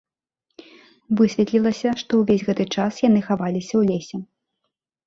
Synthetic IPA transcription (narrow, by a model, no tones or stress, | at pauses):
vɨsʲvʲɛt̪lʲilˠɐsʲɐʂt̪ɔwvʲezʲɣɛt̪ɨt͡ʂasjan̪ɨxavalʲisʲɐwlʲesʲɛ